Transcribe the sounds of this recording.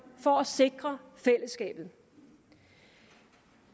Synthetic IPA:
fɒ̽æse̝ɡ̥ʁɐfel̰əsɡ̥ɛ̰ːb̥ð̞̩ˠ

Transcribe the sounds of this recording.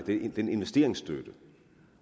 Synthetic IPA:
d̥ed̥ene̝nʋesd̥e̝̰ɐ̰e̝ŋsd̥ød̥ə

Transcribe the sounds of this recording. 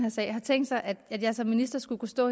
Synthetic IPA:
hæɐsɛ̰ɪhɑ̈t͡sʰeŋ̰d̥sɑ̈ɪʔæd̥æd̥jɑ̈ɪsɒ̽mːinisd̥ɐsɡ̥ukʰusd̥ɔ̰̽ː

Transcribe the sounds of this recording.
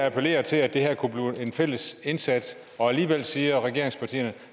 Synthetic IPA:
æpʰele̝̰ːɐt͡sʰe̝læd̥e̝ɦæɐ̰kʰub̥liːe̝nfel̰əse̝nsæd̥ | ɒ̽æliːʋel̰siːɐʁɛɡ̥e̝ɐ̰eŋspʰɑ̈t͡sʰḭːɐnə

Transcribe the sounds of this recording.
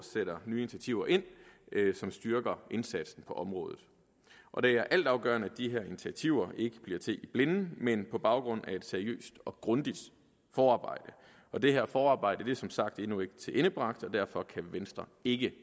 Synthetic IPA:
seɾ̥ɐnyːinit͡sʰiæt͡sʰiʊ̰ɐʔe̝n̰sɒ̽msd̥yɐɡ̥ɐe̝nsæd̥sn̩pʰɒ̽ʔɒ̽mʁɔ̽ːðˠð̩ˠ | ʔɒ̽d̥e̝æɐʔæl̰d̥ɑ̈ʊɡ̥ɶ̰ːɐnəæd̥iɦeɐinit͡sʰiæt͡sʰiʊ̰ɐʔe̝ɡ̥əb̥liɐ̰t͡sʰe̝ʔib̥le̝nn̩menpʰɒ̽b̥ɑ̈ʊɡ̥ʁɔ̽n̰æe̝d̥seɐiø̰ːsd̥ɒ̽ɡ̥ʁɔ̽nd̥id̥ | fɒːɑ̈ːb̥ɑ̈ɪ̰d̥ə | ɒ̽d̥e̝ɦeɐfɒːɑ̈ːb̥ɑ̈ɪ̰d̥əd̥e̝sɒ̽msɑ̈ɡ̥̚d̥enue̝ɡ̥ə̥t͡sʰe̝ʔe̝nəb̥ʁɑ̈ɡ̥d̥ɒ̽d̥æɐfɒ̽kʰæʋensd̥ʁɐe̝ɡ̥ə

